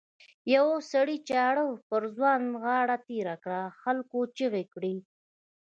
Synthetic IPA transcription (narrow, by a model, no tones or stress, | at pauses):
jawosaɽit͡ʃɑɽəwpəɾzwɑnɣɑɽat̪eɾakɽaxalkot͡ʃəɣekɽi